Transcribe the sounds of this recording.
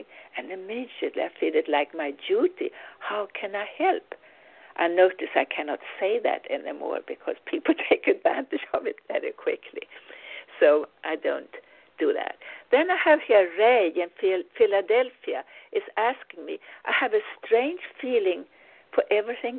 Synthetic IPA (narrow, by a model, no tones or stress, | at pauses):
ɨ̃nɨmɪd͡ʒɨtˡlḭaɪfilˠɨtˡlaɪkmaɪduɾḭhaʊkʰɨ̃naɪhɛlˠp | ʔaɪnoʊɾɨsaɪkʰænɑ̰tseɪðæ̰ɾɛ̰nḭmɔ̰ɹbɨkʰʌ̰z̥pʰipl̩ˠtʰeɪkɨdvæ̰̃ntɨ̥d͡ʒʌvɨtvɛɹḭkʰw̥ɪkʰlḭsoʊʔaɪdõ̰ʊ̃nt | d̥ɨðæ̰t̚ðɨ̃naɪɨv̥hiɹɹeɪɨ̃nffɪlɨdɛlˠfiɨʔɨzæskɪ̃ŋmḭʔaɪɨvɨstɹ̥ẽɪ̃nd͡ʒʒ̥filˠɪ̃ŋ | fə˞ʔɛvɹiθɪ̃ŋ